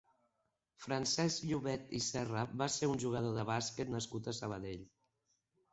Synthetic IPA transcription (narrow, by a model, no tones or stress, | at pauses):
fɾənsɛzʎuβɛt̪ḭsɛrəbaseɾunʲʒuɣ̞əð̞oðəβ̞asket̪nəskut̪əsəβ̞əðeʎ